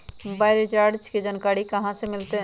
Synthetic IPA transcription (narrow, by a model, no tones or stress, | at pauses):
mobaːɪlet͡ʃaɾɖt͡ʃked͡ʒənkaːɽikəɦãsemɪlt̪e